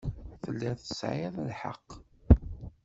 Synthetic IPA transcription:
θəlːiθəsʕɪðˤlħə̰qː

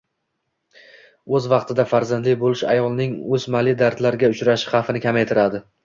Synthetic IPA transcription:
ɵzvɑqt̪ʰɪd̪afaɾzand̪lɪk̚ʲbolɪʃa̰jɒlˠnɪŋɵzmalɪd̪aɾt̪laɾɡʲaʊt͡ʃɾaʃɪ̥χɑfɪnɪkʲʰamajt̪ʰɪɾad̪ɪ

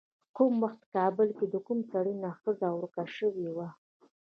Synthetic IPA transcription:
kumwaxt̪̚kɑbəlked̪əkumsaɽinaxəzawɾkaʃəwewa

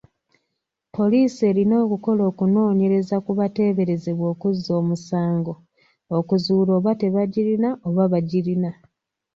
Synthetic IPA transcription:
po̞liːsie̞ːɾino̞ːkuko̞lo̞ːkuno̞ːɲe̞ɾe̞zakuβate̞ːβe̞ɾe̞ze̞βwo̞ːkuzo̞ːmusaːŋɡo̞ | okuzuːlo̞ːβate̞βaɟiɾinaʔoβaβaɟiɾina

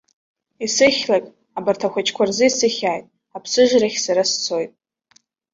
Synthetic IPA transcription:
isɨχʲlakʼ | abartʰaxʷat͡ʃʰkʷʰarzɨisɨχʲaːjtʼ | apʰsɨʒʷraχʲsaɾast͡sʰojtʼ

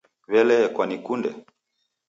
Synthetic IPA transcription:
βɛlɛkwanikundɛ̰

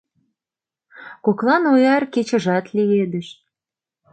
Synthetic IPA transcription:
koklɑnojɑrket͡ɕə̆ʒɑt̪lied̪ə̆ʃ

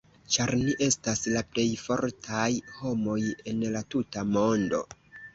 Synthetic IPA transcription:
t͡ʃaɾniʔe̞staslaple̞jfo̞ɾtʰajho̞mo̞je̞nlatutamo̞ndo̞̰

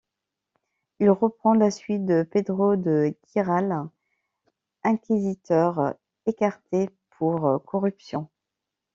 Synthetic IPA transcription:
ilʁəpχɑ̃lasɥit̪̚d̪əped̪ʁod̪əɡʲiʁal | ɛ̃kʲizit̪œʁ | ekaʁt̪epʰuʁkʰɔʁypsjɔ̃

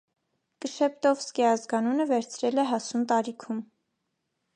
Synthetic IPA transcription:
kəʃɛp̚t̪ɔvskɛɑzɡɑnunəvɛɾt͡sʰɾɛlɛɦɑsunt̪ɑɾikʰum

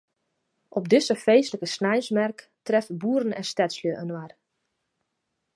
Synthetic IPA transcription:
ʔɔbdɪsəfejsləkəsnajsmɛrk | trɛfbuəɾənɛnstɛtsljəʔənwar

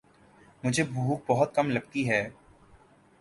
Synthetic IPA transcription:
mʊd͡ʒʱebʱuːk̚bɐɦʊt̪̚kɐmlɐɡ̚t̪iɦɛː

